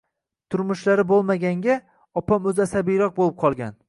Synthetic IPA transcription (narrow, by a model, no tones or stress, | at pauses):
t̪ʰʊɾmʊʃlaɾɪbolˠmaɡʲaŋɡʲa | ɒpamɵzasabijɾɒq̚bolˠɪp̚qʰɒlˠɡʲa̰n